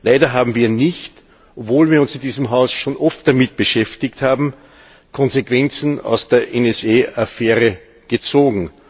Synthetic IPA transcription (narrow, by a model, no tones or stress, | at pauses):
laɪdɐɦaːbm̩viːɐnɪçt | ʔɔpvoːlviːɐʊnsɪndiːzəmɦaʊsʃoːnʔɔft̚d̥amɪt̚b̥əʃɛftɪkthaːbm̩ | kʰɔnzekv̥ɛnt͡sn̩a̰ʊsd̥eːɐʔɛnɛseːafɛːʁə | ɡ̥ət͡soːɡŋ̩